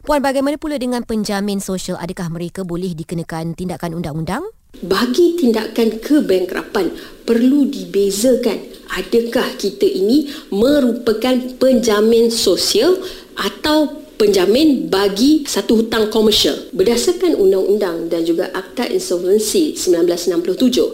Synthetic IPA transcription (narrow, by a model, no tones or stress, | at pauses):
puanbaɡajmanə̃pulədəŋãnpəɲd͡ʒamɪ̃nsosiala̰dəkahmə̃ɾekabolɛhdikənakant̪indaʔkanundaŋundaŋ | baɡit̪inda̰kankʰəbɛŋkɾʔa̰panpərludibezəkanʔadəkahkit̪aʔinĩmə̃ɾupəkanpəɲd͡ʒamɪ̃nsosial | ʔat̪awpəɲd͡ʒamɪ̃nbaɡisat̪uɦut̪aŋkoməʃa̰lbərdasarkanʔṵndaŋṵndaŋdand͡ʒuɡa̰ʔak̚t̪aʔḭnsɔlvənsisəmbilanblasnãmplʊht̪ud͡ʒʊ̰h